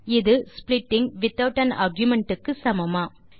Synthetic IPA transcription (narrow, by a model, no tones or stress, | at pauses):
ɪðɯsplɪʈːɪŋʋɪt̪ːɐʊʈːɐna̰ɾɡjʊmɛɳʈɯkːɯsɐmɐmaː